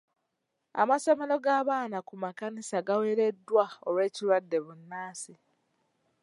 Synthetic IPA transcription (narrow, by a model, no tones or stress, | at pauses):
a̰maso̞me̞lo̞ɡaːβaːnakumakanisaɡawe̞ːɾe̞dːwaolwe̞ːcilwadːe̞βunːaːsi